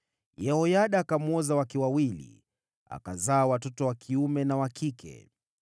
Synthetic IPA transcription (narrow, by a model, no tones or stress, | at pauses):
jɛhɔjaɗaːkamɔzawakiwawilḭ | a̰kazaːwatɔtɔwakʰiumɛnawakikʰɛ̰